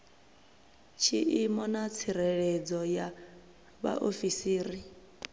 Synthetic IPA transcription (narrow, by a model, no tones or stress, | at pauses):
t͡ʃʰiʔimɔnat͡sʰiɾɛɺɛd͡zɔja | βa̰ʔofisiːɾi